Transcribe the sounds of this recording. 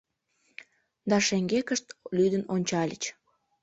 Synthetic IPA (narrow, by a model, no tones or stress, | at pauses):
d̪ɑʃeŋɡekəʃt̪lyd̪ənonʲt͡ɕɑlʲət͡ɕ